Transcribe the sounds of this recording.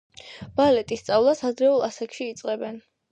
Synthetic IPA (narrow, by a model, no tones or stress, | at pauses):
b̥alɛt̪ʼist̪sʼavlˠasad̪ɾɛulˠasakʰʃiːt̪sʼqʼɛbɛn